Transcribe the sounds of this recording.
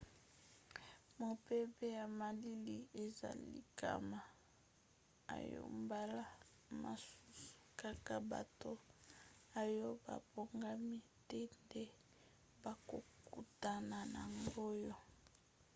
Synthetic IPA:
mo˨pe˦be˦ja˨ma˨li˦li˦e˨za̰˨lḭ˦˨ka̰˦ma˨ | a̰˨jo̰˦˨mba˦la˦ | ma̰˨su̥˦su̥˨ka˨ka˨ba̰˨to˦ | a˨jo˦ba̰˨bo˨ŋɡa˦mi˦ | tɛ˦nde˦ | ba˨ko̰˨ku˨ta˨na˨na˨mbo˦jo˦

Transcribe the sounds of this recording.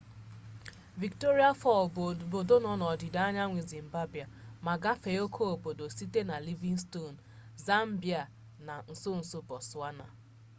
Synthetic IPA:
vi˨kto˦ɾi˦a˦fɔ˦˨lbo˨do˦nɔ˨nɔ˨dɪ˨da˦ɲa˦ŋʷi˨zi˨m̩˨ba˦bi˨a˨ma˨ɡa˦fe˨o˦kʰo˦o˨po˨do˨si˦te˦na˨li˦vi˦ŋ˦sto˦˨n̩˨za˦m̩˦bi˨a˨ | na˨n̩˨so˦n̩˨so˦bɔ˨swa˦na̰˨

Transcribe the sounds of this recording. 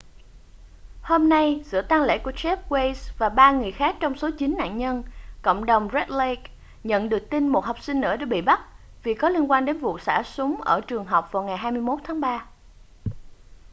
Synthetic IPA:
ho˧mna˧jsɨ̰˧˨ət̪aː˧ŋlḛ˧˥ku˧˩ət͡ɕɛ˦˥p̚we˧jsvaː˨˩ɓaː˧ŋɨ˨˩əjxaː˦˥k̚t͡ɕɔ˧wŋ͡mso˨˦t͡ɕï˨˦nna̰ː˧˨nɲə˧nko̰˧˨wŋ͡mɗə˨˩wŋ͡mzɛ˦˥t̚le˧k | ɲə̰˧˨nɗɨ˨˩ək̚t̪i˧nmo˨˩t̚hwk͡p̚sï˧ŋnɨ̰˧˥əɗaː˧˥ɓḭ˧˨ɓa˦˥t̚ | vi˨˩kɔ˨˦li˧ənkwaː˧nɗe˨˦nvṵ˧˨saː˧˩sʊ˨˦ŋ͡mʔəː˧˩t͡ɕɨ˨˩əŋɦə˨˩wk͡p̚vaː˨˩wŋa˨˩jɦaː˧jmɨ˧əjmo˦˥t̚t̪ʰaː˨˦ŋɓaː˧

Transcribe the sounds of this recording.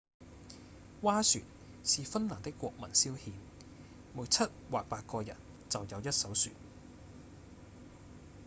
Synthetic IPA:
waː˥sy̰ː˨n̚ | siː˨fɐ˥nlaː˨˩ŋt̪ɪ˥kʷːɔ̰ː˧k̚mɐ̰˨˩nsiː˥whiː˨˧n | muː˨˥jt͡sʰɐ˥t̚waː˨k̚paː˧k̚kɔː˧jɐ̰˨˩n | t͡sɐ˨wjɐ˨˧wjɐ˥t̚sɐ˨˥wsy̰ː˨t̚

